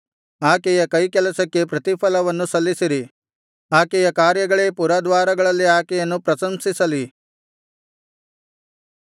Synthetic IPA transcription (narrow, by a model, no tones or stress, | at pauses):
aːkɛjɐkɐjkɛlɐsɐkːe̞pɾɐt̪ipʰɐlɐʋɐnːusɐlːisiɾi | aːkɛjɐkaːɾjɐɡɐɭeːpuɾɐd̪ʋaːɾɐɡɐɭɐlːiaːkɛjɐnːupɾɐsɐmsisɐli